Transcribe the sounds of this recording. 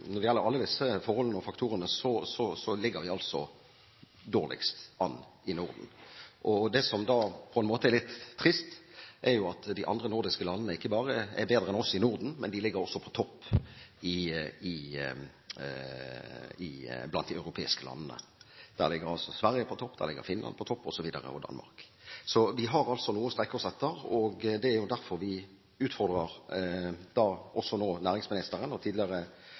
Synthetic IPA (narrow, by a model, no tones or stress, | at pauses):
nɔɾd̪ɪjɛlːəɾɑlːəd̪ɪsːəfɔɾhɔlənəɔfɑkt̪ʰuːɾənəsɔsɔsɔlɪɡːəɾʋɪɑlsɔ | d̪oːʁlɪ̰kst̪ɑnːɪnʊʁd̪n̩ʔɔd̪ɛsɔmd̪ɑːpʰɔɛnmoːt̪əɛɾlɪt̪ʰːʁɪst̪ʔɛɾjʊɑt̪d̪ɪʔɑ̰nd̪ʁənʊɾd̪ɪskəlɑnːənəɪkːəbɑːʁəɛ̰beːd̪ɾəɛnɔsɪnʊʁd̪n̩mɛ̰nd̪ɪlɪɡːəɾɔsːɔpʰɔ̥t̪ʰɔpːɪɪ | ɪblɑnt̪d̪ɪɑʉɾʊpʰḛːɪskəlɑ̰nːənə̰d̪̥æ̰ʁlɪɡəɾɑlsɔsʋæɾjəpʰɔt̪ʰɔpːd̪æ̰ʁlɪɡːə̰ɾfɪnlɑ̰nd̪pʰɔt̪ʰɔpːɔsɔʋiːd̪ə̰ʁə̰ɔ̰d̪ɑ̰nmɑ̰ʁk | sɔʋɪɦɑɾɑlt̪sɔnuːəst̪ʁɛkːəɔsɛt̪ːəɾɔɡd̪ɛæɾjʊd̪æɾfɔɾʋɪ | ʉːt̪fɔʁd̪ʁəʁ | d̪̥ɑːʔɔsːɔnoːnæːɾɪŋsmɪnɪst̪əɾənɔt̪ʰiːd̪lɪəʁə